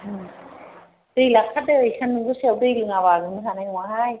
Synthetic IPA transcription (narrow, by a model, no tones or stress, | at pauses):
ɯ | d̥ɯjlakʰat̚ɯːjkʰanːɯŋɡɯsiawdɯjlɯŋaβaɡɯnɯɦanajwaɦaj